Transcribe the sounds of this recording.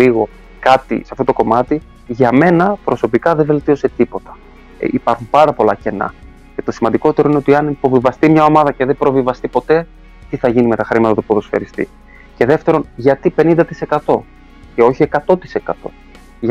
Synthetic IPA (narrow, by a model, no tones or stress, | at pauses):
liɣo̞ | kɐt̪ḭseɐft̪ot̪oko̞mɐt̪i | ʝɐme̞nɐpɾo̞so̞pikɐðe̞ve̞lt̪io̞se̞t̪ipo̞t̪ɐ̥̰ | ipɐɾxumpɐɾɐpo̞lɐce̞nɐ̰ | ce̞t̪o̞simɐnd̪iko̞t̪eɾoineo̞t̪iɐnipo̞vivɐst̪imɲɐo̞mɐðɐce̞ðepɾo̞vivɐst̪ipo̞t̪e̞ | t̪iθɐʝinime̞t̪ɐxɾimɐt̪ɐt̪upuðosfḛɾist̪ḭ | ce̞ðe̞ft̪e̞ɾo̞nʝɐt̪ipe̞nind̪ɐt̪i̥se̞kɐt̪o̞ | ce̞o̞çie̞kɐt̪o̞t̪i̥se̞kɐt̪o̞ | ʝ